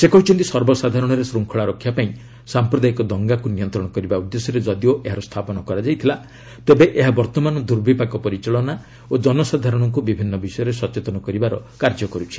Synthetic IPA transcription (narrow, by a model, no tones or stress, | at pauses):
sekɔɦut͡ʃʰɔnt̪isɔɾbɔsad̪ʱaɾɔɽ̃ɔɾesɾuŋkʰɔɭaɾɔkʰːjapaĩ | sampɾɔd̪ajikɔd̪ɔŋɡakunijɔnt̪ɾɔɽɔkɔɾibaud̪ːesɔɾed͡ʒɔd̪ioʔeɦaɾɔst̪ʰapɔnɔkɔɾad͡ʒajt̪ʰila | t̪ebeʔeɦabɔɾt̪ɔmanɔd̪uɾbipakɔpɔɾit͡ʃaɭɔna | od͡ʒɔnɔsad̪ʱaɾɔɽ̃ɔŋkubibʱinːɔbisɔjɔɾesɔt͡ʃet̪ɔnɔkɔɾibaɾɔkaɾd͡ʒɔkɔɾut͡ʃʰi̥